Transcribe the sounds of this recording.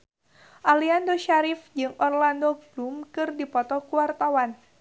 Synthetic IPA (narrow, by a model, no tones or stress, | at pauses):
ʔaliandoʃaɾifd͡ʒɨŋʔɔrlandoɡlumkɨrdipɔt̪ɔkuwart̪awan